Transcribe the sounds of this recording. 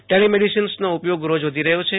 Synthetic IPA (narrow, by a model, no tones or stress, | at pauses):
ʈelimeɽisinsnoupjoɡɾod͡ʒʋod̪ʱiɾəɦjot͡ʃʰe